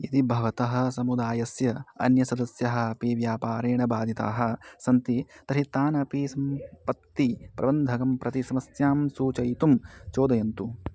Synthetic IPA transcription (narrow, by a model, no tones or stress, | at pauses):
it̪ibʱɐʋɐt̪ɐɦɐ̆s̬ɐmud̪aːjɐsjɐɐ̰njɐsɐd̪ɐsjɐɦɐ̆ɐpiʋjaːpaːɾeːɳɐbaːd̪ʱit̪a̰ːɦɐ̆sɐnt̪it̪ɐɾit̪aːnɐpisɐmpɐt̪ːipɾɐ̰bɐnd̪ʱɐɡɐmpɾʔɐt̪isɐmɐsjaːmsuːt͡ʃɐjt̪umt͡ʃoːd̪ɐjɐnt̪u